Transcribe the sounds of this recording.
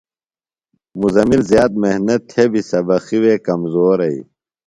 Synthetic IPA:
muzɐmilzjaːt̪̚mehnɐt̪ʰːebisɐbɐxiweːkɐmzoːɾɐḭ

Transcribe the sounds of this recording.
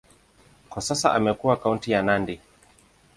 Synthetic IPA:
kwasasa̰ʔamɛkuwakauntijanandi

